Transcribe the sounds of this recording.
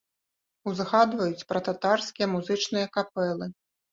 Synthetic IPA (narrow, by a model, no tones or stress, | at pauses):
uzɣad̪vɐjut͡sʲpɾɐt̪at̪arskʲijɐmuzɨt͡ʂnɨjɐkapɛlˠɨ